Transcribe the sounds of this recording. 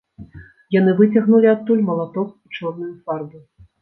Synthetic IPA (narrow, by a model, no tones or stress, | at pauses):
janɨvɨt͡sʲaɣnulʲiat̪ːulʲmɐlˠat̪ɔkit͡ʂɔrnujufarbu